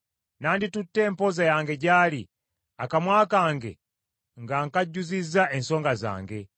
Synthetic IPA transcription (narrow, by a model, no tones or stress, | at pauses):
naːnditutːeːmpozajaːŋɡeɟaːli | akamwaːkaːŋɡḛ | ŋɡaŋkaɟːuzizaʔensoːŋɡaza̰ːŋɡe